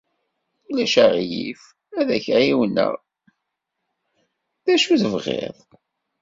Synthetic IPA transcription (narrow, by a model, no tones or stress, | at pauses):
ulæʃaʁjḭf | æðæçɾiwənːə̰ʁ | ðæʃuθəvʁḛðˤ